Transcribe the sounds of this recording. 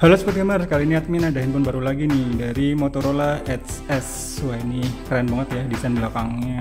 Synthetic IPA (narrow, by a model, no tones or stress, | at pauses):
halosput̪kəmərskaliiniat̪̚minadaɦɪnpʊnbaɾulaɡinɪhdaɾimot̪oɾolaɛt̪sɛs | wainikɾanbaŋət̪jadisandilakaŋɲa